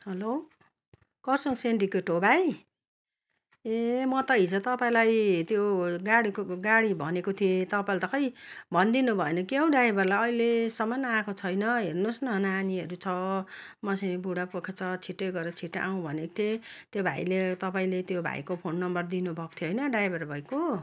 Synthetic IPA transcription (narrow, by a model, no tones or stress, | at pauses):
ɦʌlo | kʌrsʌŋsenrikeʈobʱaj | emʌt̪ʌɦit͡sʌt̪ʌpaĩlajt̪joɡaɽikoɡaɽibʱʌnekot̪ʰiet̪ʌpãlt̪ʌkʌjbʱʌnd̪inubʱʌenʌkeɦʌw̃ɖaebʱʌrlajʌilesʌmanːʌakʰot͡sʰʌjnʌɦernosnʌnaaniɦʌɾut͡sʰʌmʌsibuɽapokʰet͡sʰʌt͡sʰiʈːʌɡʌɾʌt͡sʰiʈʔaw̃bʱʌneko̥t̪ʰet̪jobʱa̰jlet̪ʌpaĩlet̪jobʱa̰jkopʰonːʌmbʌrd̪inubʱʌko̥t̪ʰjoɦʌjnʌɖajbʱʌrbʱʌjko